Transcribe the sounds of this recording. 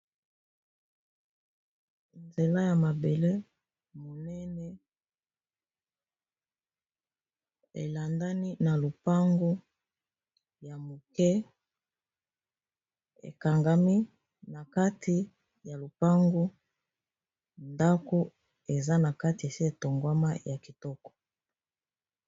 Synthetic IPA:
nze˨la˦ja˨ma˨be˨le˦ | mo˨nɛ˦nɛ˦ | ḛ˨la˨nda˦ni˦na˨lo˨pa˦ŋɡo˦ | ja˨mo˨kɛ˦ | ḛ˨ka˨ŋɡa˦mi˦ | na˨ka˦ti˨ | ja˨lo˨pa˦ŋɡo˦ | nda˦ko˦ | e˨za˦na˨ka˦ti˨e˨si˦e˨to˨ŋɡwa˦ma̰˦ja˨ki˨tɔ˦kɔ̥˨

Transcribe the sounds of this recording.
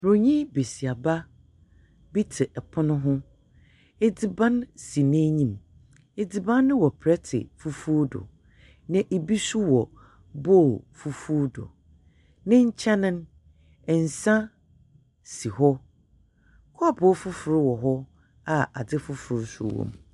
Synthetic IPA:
ɾo˨ɲĩ˦be˨si˨a˨ba˦ | bi˦tʰɪ˨ʔɛ˨pʰʊ˦nʊ̃˦ɦʊ̃˦ | e˨dɪ˨bã˦nsi˨nẽ˦ɲĩ˦˨m | e˨dɪ˨bã˦nːɪ̃˦wɔ˨pʰɾɛ˦tʰɪ̰˨fu˦fu˦dʊ̰˨ | nɪ̃˦ʔe˨bi˦su˦wɔ˨ | boː˦˨lfu˦fu˦dʊ̰˨ | nɪ̃˦ɲ̩˦t͡ɕʰɛ˦nɪ̃˦n | ɛ˨n̩˨sã˦ | si˨hɔ˦ | kʰɔ˦˨bɔ˦fʊ˦fʊ˨ɾɪ˦wɔ˨ɦɔ˦ | a˦a̰˨dɪ˦fʊ˦fʊ˨ɾsṵ˦wɔ̰̃˨m

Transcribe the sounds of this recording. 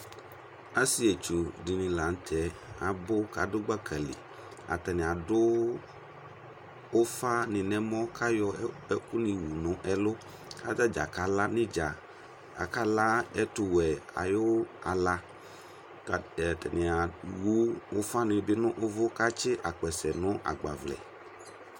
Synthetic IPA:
a˦si˦e˨t͡ʃu˨di˨nɪ̃˨la˨n̩˦t̪ʰɛ˨˦a˨bʊ˦ka˨dʊ˦ɡ͡ba˦kʰɛ˨lɪ̰˨ | a̰˨t̪ɛ˨nɪ̃˨a˨dʊ˦ | fa˦nɪ̃˨nɛ̃˦mɔ̃˦kʰa˦jɔ˦ | ɛ˦ku˦nĩ˨wu˨nʊ̃˨˦ʔɛ˦lʊ˦ | ka˦d͡ʒa˦d͡ʒa̰˨ka˦la˦nɪ̃˦d͡ʒa˨ | a̰˨ka˦la˦ɛ˦t̪ʊ˨wɛ˨a̰˨jo˦a˨la˦˨ | t̪ɛ˨nɪ̃˨a˨wu˦wo˦fa˦nɪ̃˨bɪ˦nʊ̃˦ʔo˦vʊ˦ka˦t͡ʃɪ˦ʔa˨k͡pɛ˨sɛ˨nʊ̃˦ʔa̰˨ɡ͡ba̰˨vlɛ̰˨

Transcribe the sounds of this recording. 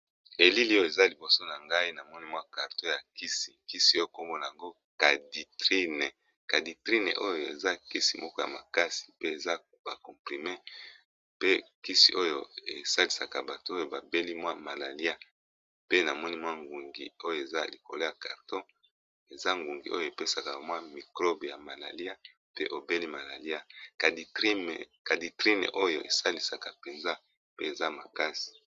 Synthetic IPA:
e˨li˦li˦jo˦e˨za˦li˨bo˨so˦na˨ŋɡa˦i˦na˨mɔ˦ni˦mwa˦ka˨ʁto˦ja˨ki˦si̥˨ki˦si˨o˦o˦ko˦mɡo˦na˨a˨ŋɡo˦ | ka˨di˨tʁi˦ne˨ | ka˨di˨tʁi˦nḛ˨ʔo˦jo˨ḛ˨za˦ki˦si˨mʔɔ˦kɔ˦ja̰˨ma˨ka˦si̥˨pe˦e˨za˦ | b̥a˨kɔ˨pʁi˨me˦ | pe˦ki˦si˨ʔo˦jo˨ḛ˨sa˦li˨sa˨ka˨ba˨to˦o˦o˨ba˨be˦li˦mwa˦ma˨la˨li˦a˦ | pe˦na˨mɔ˦ni˦mwa˦ŋɡu˨ŋɡḭ˨o˦jo˨e˨za̰˦li˨ko˨lo˦ja˨ka˨ʁtɔ̃˦ | e˨za˦ŋɡu˨ŋɡi˨ʔo˦jo˨e˨pe˦sa˨ka˨mwa˦mi˨kʁɔ˦bja˨ma˨la˨li˦a˦ | pe˦ʔo˨be˦li˦ma˨la˨li˦a˦ka˨di˦m˨ka˨di˨tʁi˦nḛ˨ʔo˦jo̰˨ʔḛ˨sa˦li˨sa˨ka˨pe˨nza˦ | pe˦e˨za˦ma˨ka˦si̥˨

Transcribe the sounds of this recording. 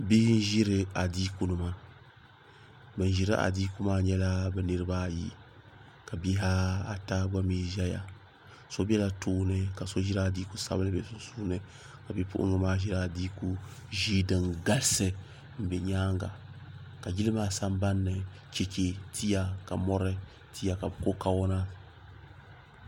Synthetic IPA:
bi˦hn˦ʒi˦ɾɨ˨a˨diː˦ku˦nɨ˨ma˨ | bɛ˨n˨ʒi˨ɾɨ˦ʔa̰˨diː˦ku˦maː˦ɲɛ˦la˦bɛ˨nɨ˦ɾɨ˦baː˦˨jḭ˦ | ka˨bi˦ɦa˦a˨ta˦ɡa˦mi˦ʒɛ˦ja̰˨ | so˦bɛ˦la˨tuː˦nɨ˦ka˨so˦ʒi˦ɾa˨diː˦ku˦sa̰˦bɨ˦nɨ˦bɛ˨su˦n˦suː˦nɨ˨ | ka˨bi˦pṵ˦ʔŋɨ˦maː˦ʒi˦ɾa˦˨di˦ku˦ʒiː˦dɨ˨ŋɡa˦lsɨ˨ | m̩˨bɛ˨ɲaː˦ŋɡa̰˨ka˨ɡi˦lɨ˦maː˦sa˦mba˦nːɨ˨ | ke˨ke˨tʰi˦ja˨ka˨mɔ˦ɾɛ˦ | tʰi˦ja˨ka˨bɛ˨ko˦ka˨wɔ˦na˦

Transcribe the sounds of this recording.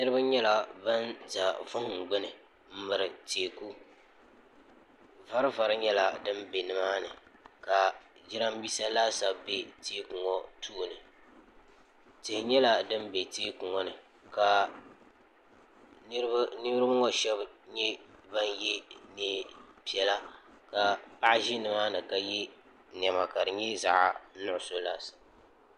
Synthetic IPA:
nɨ˦ɾɨ˦ba˦ɲɛ˦la˨ba˦nza˨vʊ˦ŋ˨ŋ̩˨ɡ͡bɪ˦nɨ˨ | m̩˦mɨ˨ɾɨ˨te˨ku˦ | va˦ɾɨ˦va˨ɾɨ˦ɲɛ˦la˨dɨ˦mbe˨nɨ˦maː˦nɨ˨ka˨ | d͡ʒɪ˦ɾa˦m˦biː˦sa˦laː˦sa˨bbe˦teː˦ku˨ŋɔ˦tʰuː˦˨nɨ˨ | tɪ˨hɪ˨ɲɛ˦la˦dɨ˦m˦be˨teː˦ku˨ŋɔ˦nɨ˨ | ka˨˦ | nɨ˦ɾɨ˦bɨ˦ŋɔ˦ʃɛ˦bɲɛ˦ba˦n˦jɛ˦nɛ˦pi˨ɛ˨la˦ka˨pa˦ʔʒɪ˦nɨ˨maː˦nɨ˨ka˨jɛ˦ | n˨ɛ˨ma˨ka˨dɨ˨ɲɛ˦za˨ʔa˨nʊ˦ʔʊ˨so˦laː˦sa˨b

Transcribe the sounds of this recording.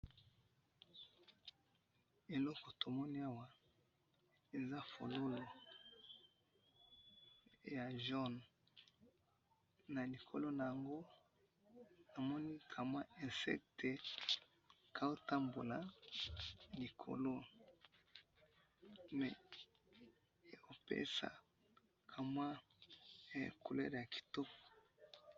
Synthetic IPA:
e˨lɔ˦kɔ˨to˨mɔ˦ni˦a˦wa˨ | e˨za˦fo̰˨lo˦lo˨ | ja˨ʒɔ˦n | na˨li˨kʰo˨lo˦na˨ja˨ŋɡo˦ | na˨mɔ˦ni˦kʰa˨mwa˦ɛ̃˨nsɛ̰˦k̚te˨ | kʰa˦o˦ta˦mbo˨la˨ | li˨kʰo̰˨lo˦ | mɛ˨˦ | o˨pḛ˦sa̰˨ | kʰa˨mwa̰˦˨ | ku˨lɛ̰˦ʁja˨kʰi̥˨to˦kɔ̥˨

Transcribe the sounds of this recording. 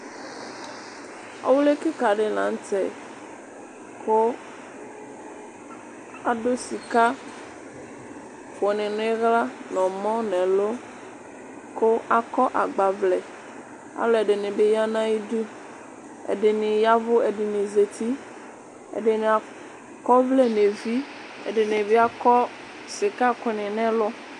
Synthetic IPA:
a̰˦wu˦le˦ke˦ka˨ɖe˨lã̰˨ŋ˦tɛ˨ | ko˦ | a˨ɖo˦si˨ka˦ | fo˨nɛ̃˨n˦ɣla˦nɔ̃˨mɔ̃˦nɛ̃˨lo˦ | ko˦a˦kɔ˦ʔa˨ɡ͡ba˨vlɛ˨ | a̰˨lo˦ɛ˨ɖe˨nẽ˨be˦ja˦nã˦ji˦du˦ | ḛ˨ɖe˨nɪ̃˨ja˦vo˦e˨ɖe˨nẽ˨ze˨t̪ʰi˦ | ḛ˨ɖe˨ne˨a˨ | kɔ˦vlɛ˦nẽ˨vi˦ | ḛ˨ɖe˨nẽ˨be˦a˦kɔ˦ | se˨ka˦kɔ˦nɛ̃˨nɛ̃˦lɔ˦

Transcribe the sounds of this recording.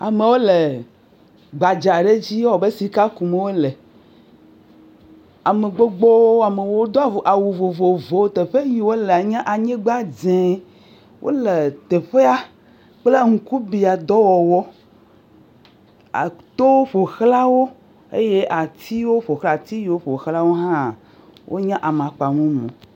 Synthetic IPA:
a˨me˨wo˦le˨ | ɡ͡ba˨d͡ʒa˨ɖe˦d͡ʑi˦wɔ˨be˦si˦ka˦ku˨me˨˦wo˦le˨ | a˨me˨ɡ͡bo˦ɡ͡bo˦a˨me˨wo˦d̪o˦a˨ʔa˨wu˨vo˨vo˨vo˨˦t̪e˨ɸe˦ɲi˨wo˦le˨a˨ɲã˦ʔa˨ɲẽ˦ɡ͡ba˦d͡zẽ˨ | wʔo̰˦le˨t̪e˨ɸe˦a˦ | k͡ple˦ŋ̩˨ku˦bi˨a˨d̪ɔ˦wɔ˨wɔ˦ | a̰˨t̪o˦wo˦ɸo˨xla˦wo˦ | ḛ˦je˦ʔa˨t̪i˦wo˦ɸo˨xla˨t̪i˦ji˨wo˦ɸo˨xla˦wo˦ɦã˦˨ | wʔo̰˦ɲã˦ʔa˨me˨a˨k͡pa˨mẽ˦mõ̰˨

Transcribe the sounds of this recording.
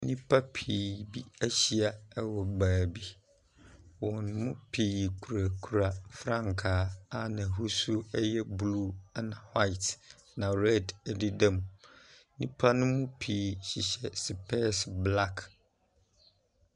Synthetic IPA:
nĩ˦pʰa˦pʰiː˨bi˦æ˦ɕi˦a˨ɛ˦wɔ˨baː˨bi˦ | wɔ̃˨n˦mʊ̃˦pʰiː˨kʰu˨ɾa˨kʰu˨ɾa˨fɾã˦˨ŋkʰaː˨˦a˦nã˨ɦu˦su˦ɛ˦jɛ˦blu˦˨a˦nã˨ha˦ɪ˨t | nã˨ɾɛ˦dɛ˨di˦dã˦˨m˨nĩ˦pʰa˦nʊ̃˦mʊ̃˦pʰiː˨ɕi˨ɕɛ˨sɪ˨pʰɛ˦sbla˦kʰ

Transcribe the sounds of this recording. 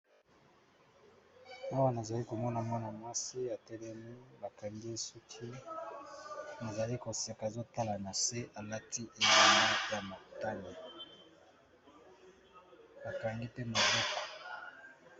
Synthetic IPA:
a˦wa˦na˨za˨li˦ko˨mɔ˦na˨mwa˦na˨mwa˦si˦a˨tɛ˦lɛ˦mi˦ba˨ka˨ŋɡi˦e˦su˦kʰi˦ | na˨za˨li˦ko˨sa˨ka˨zo˦ta˦la˨na˨se˦ʔa˨la˦ti˦ʔe˨di˦na˦ja˨mo˨ta˦ni˨ | ba˨ka˨ŋɡi˦pe˦no˨bɔ˦ko̥˨

